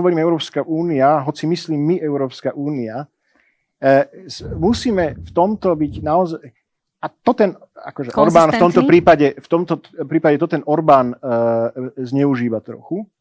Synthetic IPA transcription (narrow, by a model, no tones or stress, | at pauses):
ɔʋɔɾiːmɛʊɾɔːpskaʔuːniaɦɔt͡simisliːmːiʔɛʊɾɔːpskaʔuːnia | musiːmɛft̪ɔmt̪ɔbiɟnaɔzaɪ | at̪ɔt̪ɛn | a̰kɔʒɛʔɔɾbaːnft̪ɔmt̪ɔpɾiːpaɟɛft̪ɔmt̪ɔpɾiːpaɟɛt̪ɔt̪ɛnɔɾbaːn | zɲɛuʒiːʋat̪ɾɔ̰xu